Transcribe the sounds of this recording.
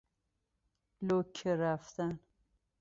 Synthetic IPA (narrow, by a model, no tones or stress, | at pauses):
lokʰeɾaft̪an